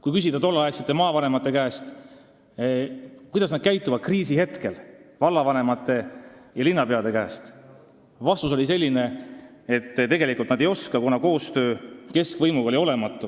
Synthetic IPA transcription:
kujkysid̪ɑt̪o̞lːɑɑekset̪ːemɑːvɑnemɑt̪ːˑe̞kæːst̪ | kujd̪ɑsnɑd̪̥̚kæjt̪ːˑuvɑd̪̥̚kriːsihe̞t̪ke̞lvɑlːɑvɑne̞mɑt̪ːˑe̞jɑlinːɑpe̞ɑd̪ekæːst̪ | vɑst̪us̬o̞lʲise̞lʲːine̞et̪ːt̪e̞ɡe̞likult̪nɑd̪ejo̞skɑkunɑko̞ːst̪ø̞ːke̞skvɤjmuɡɑo̞lio̞le̞mɑt̪ːˑu

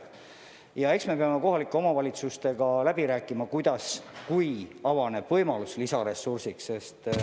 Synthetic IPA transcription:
jɑe̞ksme̞peɑme̞ko̞ɦɑlikːˑeo̞mɑvɑlʲit̪sust̪e̞ɡ̥ɑlæb̥iɾæːkːˑimɑkujd̪ɑskujɑvɑne̞b̥vɤjmɑluslisɑɾe̞sːursiksse̞st̪

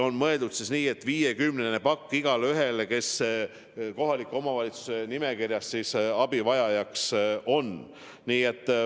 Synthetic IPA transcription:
o̞nmɤe̞ld̪ud̪sisniːe̞t̪ːˑviːjekymnene̞pɑkːiɡ̥ɑlyɦe̞leke̞s | ko̞ɦɑlikːˑuo̞mɑvɑlʲit̪su̥se̞nime̞kirjɑssisɑbivɑjɑjɑkso̞n | niːe̞t̪ˑː

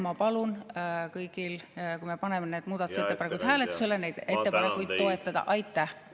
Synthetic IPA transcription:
mɑpɑlunkɤjɡ̥ilkujme̞pɑne̞mene̞ːd̪̥muːd̪ɑt̪uset̪ːˑepɑnekujd̪̥hæːlet̪ːˑuse̞le̞ne̞jd̪̥e̞t̪ːe̞pɑne̞kujd̪̥t̪o̞e̞t̪ːˑɑd̪̥ɑ̰ʔɑjt̪ːˑæh

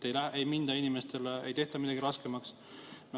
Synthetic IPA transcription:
ejlæejmind̪̥ɑinimest̪e̞leḛjt̪e̞ht̪ɑmid̪ɑɡ̥iɾɑskemɑks | m

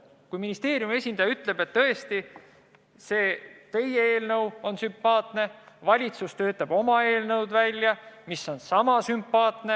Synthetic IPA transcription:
kujminist̪e̞ːɾjume̞sʲind̪̥ɑjɑyt̪ːˑle̞b̥e̞t̪ːɤ̞e̞st̪i | se̞ːt̪e̞jee̞ːlnɤwo̞nsympːɑːt̪ˑne̞vɑlʲit̪sust̪ø̞ːt̪ːˑɑb̥o̞mɑe̞ːlnɤwd̪vælʲjɑmisːo̞nsɑmɑsympːɑːt̪ˑne̞

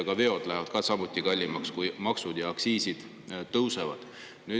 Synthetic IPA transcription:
ɡ̥ɑve̞o̞d̪̥læɦvɑd̪̥kɑsɑmut̪ʲːˑikɑlʲːimɑkskujmɑksud̪̥jɑːksiːsid̪̥ | t̪ːɤwsevɑd̪̥ | nyː

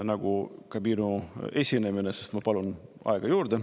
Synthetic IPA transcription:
nɑɡ̥ukɑbinue̞sʲineminesest̪mɑpɑlunɑ̰eɡ̥ɑjuːɾd̪e

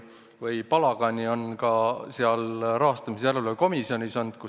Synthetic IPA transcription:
vɯjpɑlɑɡ̥ɑnʲio̞nkɑseɑlɾɑɦɑst̪ɑmisjæleleko̞misio̞nʲisɑnd̪̥ku

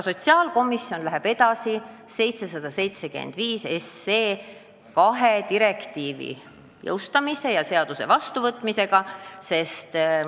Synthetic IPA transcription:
so̞t̪siɑːlko̞mːˑisːjo̞nlæɦeb̥e̞d̪̥ɑsi | se̞jt̪sesɑd̪̥ɑse̞jt̪se̞kḛnd̪̥viːse̞sːeː | kɑɦe̞t̪iɾe̞kt̪iːvḭ | jɤ̰wst̪ɑmise̞jɑse̞ɑd̪̥use̞̰vɑst̪uvɤt̪ːˑmise̞ɡ̥ɑse̞st̪

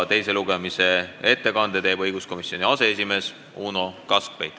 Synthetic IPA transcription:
t̪e̞jse̞luɡ̥emise̞e̞t̪ːe̞kɑnd̪e̞t̪e̞ːbɤjɡ̥usko̞misjo̞niɑse̞es̬ʲime̞ːs | uːno̞kɑsk̚pejt̪ːˑ

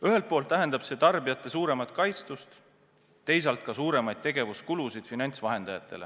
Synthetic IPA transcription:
yɦe̞lt̪̚poːlt̪ːˑæɦe̞nd̪ɑb̥se̞t̪ɑrbijɑt̪ːˑe̞suːɾe̞mɑt̪̚ˑkɑjt̪st̪ust̪ | t̪ːe̞js̬ɑlt̪̚kɑsuːɾe̞mɑjd̪̥̚t̪e̞ɡe̞vuskulusid̪̥finɑnʲt̪svɑɦe̞nd̪̥ɑjɑt̪ːˑe̞̰le̞

